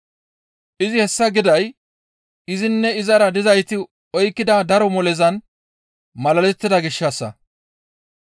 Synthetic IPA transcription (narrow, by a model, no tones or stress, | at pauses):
ʔɪzɪhɛsːɐɡɪd̪ɐj | ɪzɪnːɛɪzɐɾɐd̪ɪzɐjt̪ɪ | ɔjkːɪd̪ad̪ɐɾɔmɔlɛzɐn | mɐlɐlɛt̪ːɪd̪ɐɡɪʃːɐsːɐ̰